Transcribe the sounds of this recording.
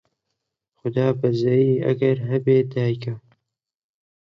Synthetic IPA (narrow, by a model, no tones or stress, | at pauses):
xʊd̪ɑːbɐzɐjiːɐ̰ɡɐɾɦɐbeːd̪ɑːjka